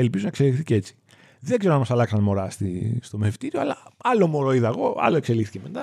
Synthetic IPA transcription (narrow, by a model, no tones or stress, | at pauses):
elpizonɐekselixθicee̞t͡si̥ | ðeɡzeɾonɐmɐsɐlɐksɐnmo̞ɾɐst̪ḭst̪o̞mefi̥t̪iɾio̞ɐlɐɐlo̞moɾo̞iðɐɣo̞ɐ̰loe̞kse̞lixθi̥cemet̪ɐ